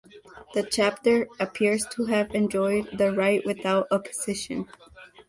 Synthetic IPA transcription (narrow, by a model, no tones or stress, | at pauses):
ðɨt͡ʃʰæp̚tə˞ɨpʰɪɹz̥tʰəɨvɨ̃nd͡ʒɔɪd̪̚ðɨɹaɪʔwɨθaʊɾəpʰə̥z̥ɪʃɨ̰̃n